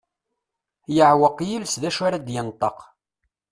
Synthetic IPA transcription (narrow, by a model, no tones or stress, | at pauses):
jəʕwəqːjilsðæʃaɾad̪jənt̪ˤːəq